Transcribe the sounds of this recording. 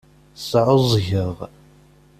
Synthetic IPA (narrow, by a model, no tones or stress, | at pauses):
sˤʕʊzˤʝəʁ